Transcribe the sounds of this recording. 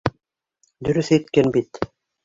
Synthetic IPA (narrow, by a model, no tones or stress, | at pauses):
d̪ɵɾθɛjt̪kɛnbit̪